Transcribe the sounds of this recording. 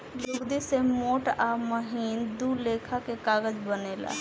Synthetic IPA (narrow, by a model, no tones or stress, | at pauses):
jʊɡd̪isemoːʈaːməɦiːnd̪uːleːkʰakekaːɡəd͡ʒbəneːla̰